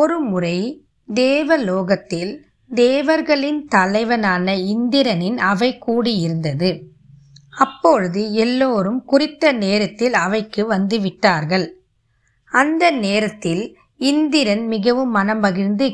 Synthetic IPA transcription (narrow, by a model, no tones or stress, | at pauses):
ɔɾɯmʊrɐɪ | d̪eːʋɐloːɣɐt̪ːɪl | d̪eːʋɐɾɣɐɭɪnt̪ɐlɐɪʋɐnaːnɐɪnd̪ɪɾɐnɪnɐʋɐɪkːuːɽijɪɾɯnd̪ɐðɯ | ɐpːɔɻɯðɯɛlːoːɾɯmkʊrɪt̪ːɐneːɾɐt̪ːɪlɐʋɐɪkːɯʋɐnd̪ɯʋɪʈːaːɾɣɐɭ | ɐnd̪ɐneːɾɐt̪ːɪl | ɪnd̪ɪɾɐnmɪɣɐʋɯmːɐnɐmbɐɣɪɾnd̪ɯ